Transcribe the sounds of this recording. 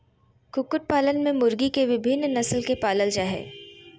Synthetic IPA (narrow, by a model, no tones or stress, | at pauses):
kʊkʊʈ̚paːlənmẽmʊɾɡikeʋɪbʱɪnːnɐslkepaːləld͡ʒaːɦɛ̰ː